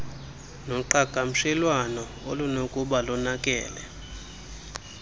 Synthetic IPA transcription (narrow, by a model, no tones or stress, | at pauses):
nɔǃakam̩ʃɛlwanɔ | o̰lunokʼuɓalɔnakʼɛ̰ːlɛ̰